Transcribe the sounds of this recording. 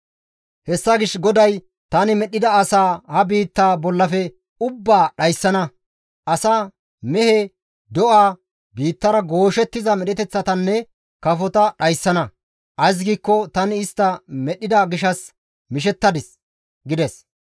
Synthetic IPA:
hɛsːɐɡɪʃɡɔd̪ɐj | t̪ɐnɪmɛɗɪd̪ɐɐsaːhɐbiːt̪ːaːbɔlːɐfɛ | ʊbːaːɗɐjsːɐnɐ | ʔɐsa | mɛhɛ | d̪ɔʔaː | biːt̪ːɐɾɐɡo̞ːʃɛt̪ːɪzɐmɛɗɛt̪ɛt͡sːɐt̪ɐnːɛ | kɐfɔt̪ɐɗɐjsːɐnɐ | ʔɐjs̬ɡiːkːɔt̪ɐnɪːst̪ːɐmɛɗːɪd̪ɐɡɪʃɐs | mɪʃ̬ɛt̪ːɐd̪ɪs | ɡɪd̪ɛs

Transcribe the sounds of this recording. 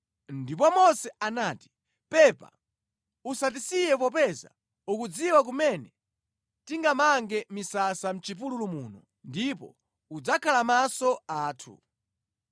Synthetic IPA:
ndipɔmɔsɛanaːti̥ | pɛpa̰ | usatisijɛp̬ɔpɛza̰ | ukud͡ziwak̬umɛnɛ | tiŋɡamaŋɡɛmisasam̩t͡ʃip̬ululumuːnɔ | ndipɔ̰ | ud͡zakʰalamasɔaːtʰṵ

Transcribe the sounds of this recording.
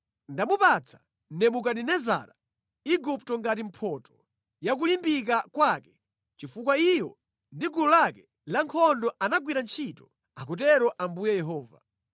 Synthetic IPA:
ndamupat͡sʰḁ | nɛmukaninɛza̰ːɾa | iɡuptɔŋɡatim̩pʰɔːtɔ̥ | jak̬ulimbik̬akwakɛ | t͡ʃifukwaijɔ | ndiɡulɔlakɛ | laŋkʰɔndɔʔanaɡwiɾant͡ʃʰitɔ | akut̬ɛɾɔʔambujɛjɛɦɔːva̰

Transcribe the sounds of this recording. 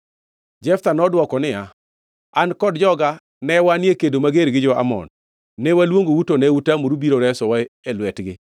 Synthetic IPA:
d͡ʒɛft̪anɔdwɔkɔnɪja | ankɔdd͡ʒɔɡa | nɛwanjekedomaɡeɾɡɪd͡ʒɔa̰mɔ̰nː | ɛwalwoŋɡowutonɛutamoɾubiɾoɾɛsɔwaelwɛtɡɪ

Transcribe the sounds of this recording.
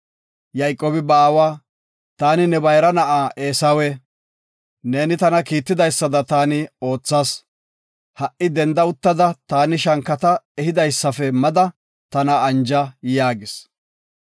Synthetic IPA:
jɐjkʼoːbɪbaːwaː | t̪aːnɪnɛbɐjɾɐnɐʔaːʔeːsɐwɛ | ne̞ːnɪt̪ɐnɐkiːt̪ːɪd̪ɐjsːɐd̪ɐt̪aːnɪo̞ːt͡sːaːs | hɐʔːɪd̪ɛnd̪ɐʊt̪ːɐd̪ɐt̪aːnɪʃɐŋkːɐt̪ɐɛhɪd̪ɐjsːɐfɛmɐd̪ɐ | t̪ɐnɐːnd͡ʒɐjaːɡɪs

